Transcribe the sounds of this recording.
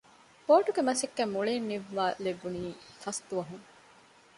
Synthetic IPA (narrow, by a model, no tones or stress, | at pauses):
poːʈuɡemɐsekːæmːuɭenːiʋːaːlebuniːfɐst̪uʋɐɦuŋ